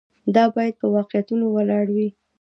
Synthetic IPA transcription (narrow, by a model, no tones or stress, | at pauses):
d̪ɑbɑjad̪̚pəwɑqjat̪unowalɑɽawi